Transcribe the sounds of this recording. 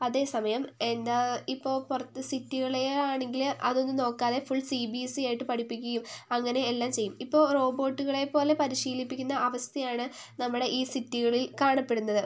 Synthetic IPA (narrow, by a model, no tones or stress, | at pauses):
ɐðe̞ːsɐmɐjɐme̞nd̪aipːo̞ːɭpurɐt̪ːɨsitːuɣɐɭeaːɳe̞ŋɡilɐðo̞nːɨno̞ːkːaːðefuɭsibisijaːjiʈːɨpɐʈʰipːik̬ʲːɣɐjumɐŋːɐne̞ːlːaːmt͡ɕe̞jːumipːo̞ːro̞ːbo̞ːʈːuɣɐɭe̞po̞ːle̞pɐɾiɕiːlipːikʲːunːɐʔɐʋɐst̪jɐjaːɳɨnɐmːuɽe̞ʔiːsitːuɣɐɭilkaːɳɐpːe̞ɽunːɐðɨ